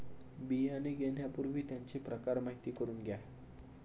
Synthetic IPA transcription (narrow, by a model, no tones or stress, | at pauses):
bianeɡen̤japuɾʋʱiːt̪jaɲt͡ɕepɾəkaɾmaɦit̪iːkəɾuːnɡʱja